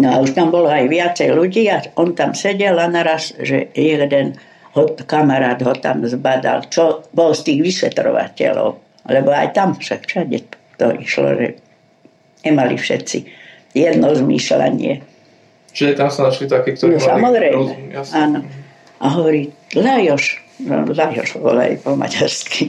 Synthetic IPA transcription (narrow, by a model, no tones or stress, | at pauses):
nɔauʃt̪ambɔlɔajʋɪat͡sɛjluɟiːaɔnt̪amsɛɟɛlanaɾasʒɛ̰jɛɡd̪ɛn | hɔkamaɾaːd̪ɦɔt̪a̰mzbad̪a̰lt͡ʃɔbɔlst̪iːɣʋisʋɛt̪ɾɔ̰ʋa̰cɛ̰lɔ̰ʊ | lɛbɔajt̪amfʃakt͡ʃaɟɛ̰ | t̪ɔ̰ʔiʃlɔ̰ʒɛ̰ | ɲɛmalifʃɛt̪si | jɛd̪nɔzmisla̰ɲɪɛ | t͡ʃiʒɛt̪amsanaʃlit̪akiːkt̪ɔɾsamɔzɾɛjmɛaːnɔ | ʔaɦɔʋɔɾiːlajɔʃɔ̰lajɔʒbɔ̰la̰jpɔma̰ɟaɾski